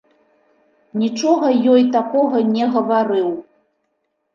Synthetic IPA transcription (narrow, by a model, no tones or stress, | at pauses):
nʲit͡ʂɔɣɐjɔjt̪akɔɣɐnʲɛɣɐvaɾɨw